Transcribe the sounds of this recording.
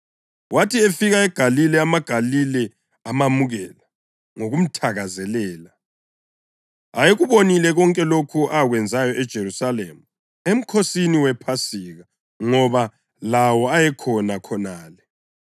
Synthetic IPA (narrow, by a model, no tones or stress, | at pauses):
wʔatʰiefiɣaɛɡ̥ʱalilɛamaɡ̥ʱalilɛ | amamuɣɛla | ŋoɣum̩tʰaɣazɛlɛːla | ajeɣuβonilɛɣɔŋkʼɛlokʰuʔaɣwɛnd͡zʱajɔʔɛd̥ʒ̥ʱeɾusalḛmu | em̩kʰosiniwɛpʰasiɣa | ŋɔβa | lawɔajɛkʰɔnakʰɔnaːlɛ